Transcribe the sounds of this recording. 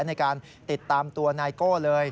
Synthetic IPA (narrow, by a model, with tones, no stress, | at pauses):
na˧jkaː˧n | t̪i˨˩t̪ːaː˧mt̪u˧ɐnaː˧jkoː˥˩lɤː˧j